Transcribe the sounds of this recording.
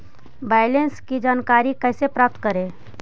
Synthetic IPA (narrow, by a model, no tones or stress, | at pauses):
baɪlenskid͡ʒaːnkaːɾikəɪsepɾap̚t̪kəɾẽ